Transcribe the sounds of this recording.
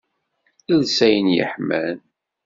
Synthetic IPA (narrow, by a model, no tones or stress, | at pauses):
ilsæjənjə̰ħmæl